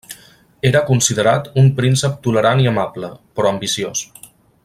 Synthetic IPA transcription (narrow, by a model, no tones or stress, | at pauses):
eɾəkunsiðəɾat̪umpɾinsəp̚t̪uləɾaniəmabləpɾɔəmbisios